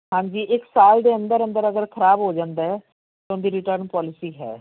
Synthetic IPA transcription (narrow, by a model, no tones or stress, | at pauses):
ɦãːɲd͡ʒiːʔɪksaːld̪eːə̃nd̪əɾə̃nd̪əɾəɡəɾkʰəɾaːbɦoːd͡ʒãːnd̪aːɦɛː | t̪ʊnd̪iːɾɪʈəɾnpɔːlɪsiːɦɛ̰ː